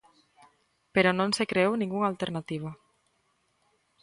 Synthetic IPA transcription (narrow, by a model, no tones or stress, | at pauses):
peɾɔnõnsekɾeewnĩŋɡuŋalt̪eɾnat̪iβ̞a